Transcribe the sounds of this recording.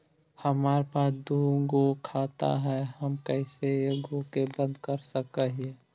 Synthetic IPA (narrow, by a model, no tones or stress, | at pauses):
həmaːɾpaːsd̪uːɡokʰaːt̪a̰ɦɛhəmkɛɪsejəɡokebə̃nd̪kəɾsəkəɦẽ